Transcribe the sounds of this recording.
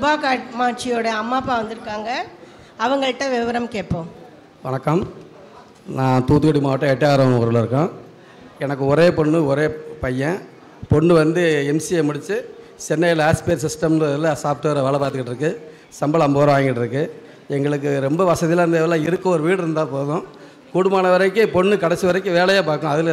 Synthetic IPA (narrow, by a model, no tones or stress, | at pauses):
sʊbaːkaːʈmaːʈ̚t͡ʃɪjoːɽɐɐmːaːpːaːʋɐnd̪ɯɾɯkːaːŋɡɐ | ɐʋɐŋɡɐɭʈːɐ̃ʋɪʋɐɾɐmkeːʈ̚pːõː | ʋɐnɐkːɐm | nãːt̪uːt̪ːɯkɐɽimaːʋɐʈːɐ̃ɛʈːjaːɾɐ̃ɔɾɯlɪɾɯkːõː | ɛnɐkːɯɔɾeːpɔɳːɯɔɾeːpɐjːɐ̃ | pɔɳːɯʋɐnd̪ɯɛmsiemʊɽɪt͡ʃːɯ | t͡ʃɛnːɐjlaːspeːɾs̬ɪsʈɐmnlɐsaːp̚ʈ̪ɯʋɾɐʋɐɭɐpaːɾt̪ɯkɪʈːɪɾɯkːɯ | sɐmbɐɭɐmboːɾɐ̃ʋaːŋɡɪʈːɪɾɯkːɯ | ɛŋɡɐɭɯk̬ːɯɾɛmbɐʋɐsɐðɪlɐɾɯnd̪eːʋɐlãːɪɾɯkːʊ̃ɔɾɯʋiːɽɯɾɯnd̪ãːpoːðõː | kuːɽɯmaːnɐʋɐɾɐɪkːɯpɔɳːɯkɐɽɛt͡ʃːɯʋɐɾɐɪkːɯ̃ʋeːɭɐjaːpaːkːʊ̃ɐðɪl